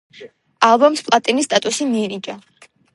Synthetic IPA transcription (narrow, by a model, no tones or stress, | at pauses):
alˠbɔmspʼlˠat̪ʼinist̪ʼat̪ʼusimiɾid͡ʒʼa